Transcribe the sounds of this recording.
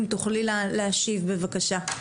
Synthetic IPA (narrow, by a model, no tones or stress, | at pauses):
mt̪uχlillehaʃivbe̞vakaʃa